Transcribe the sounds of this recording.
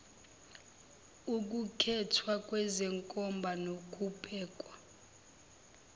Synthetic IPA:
uk̬ʼukʰɛtʰwakʼwɛzɛŋkʼɔmbʱanokʰʼupʼɛːkʼwa

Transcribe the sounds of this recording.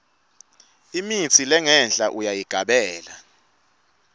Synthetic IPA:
imit͡sʰilɛŋɛnd͡ɮʱʼaʔujajiɡ̥ʱaɓɛːla

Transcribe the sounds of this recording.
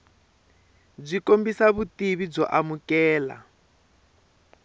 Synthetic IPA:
b͡ʐikombisaβutiβib͡ʐɔ̰ʔamukɛːla̰

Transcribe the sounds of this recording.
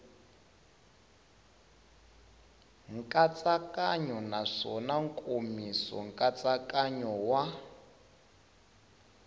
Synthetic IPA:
ŋ̩kʼat͡sʼakʼaɲɔnaʂɔnaŋkʼomisɔ̰ŋ̩kʼat͡sakʼaɲɔwa

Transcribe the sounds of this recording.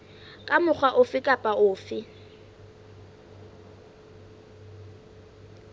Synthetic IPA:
kʼamʊk͡xʰwaʔʊfɪkʼapʼaʔʊːfɪ

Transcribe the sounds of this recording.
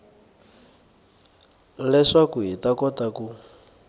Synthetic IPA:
lɛʂakuɦitakɔtaku

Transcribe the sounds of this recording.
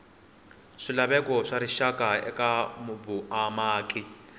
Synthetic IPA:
ʂilaβɛkɔʂaɾiʃakʼaɛ̰kambuamaːkʼi

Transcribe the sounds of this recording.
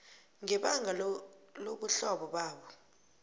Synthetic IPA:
ŋɛɓaŋɡʱaloɓuɬɔɓɔɓaːɓɔ

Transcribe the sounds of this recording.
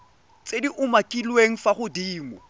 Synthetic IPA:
t͡sʼediʔʊmakʼilweŋ̩faχʊdiːŋɔ

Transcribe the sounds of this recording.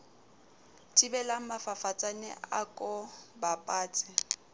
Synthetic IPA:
tʼibɛlaŋ̩mafafat͡sʼanɛ̰akʼɔbapʼaːt͡sʼɪ

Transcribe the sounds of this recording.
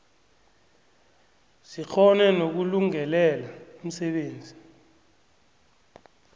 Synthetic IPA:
sik͡xʰɔnɛnok̬uluŋɛlɛlaum̩sɛɓeːnd͡zʱi

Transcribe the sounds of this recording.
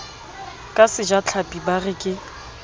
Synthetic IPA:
kʼasɪd͡ʒat͡ɬʰapʼibarɪkʼɪ

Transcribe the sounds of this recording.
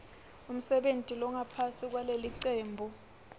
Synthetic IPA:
um̩sɛɓentʼilɔŋapʰasik̬waleliǀeːmbʱu

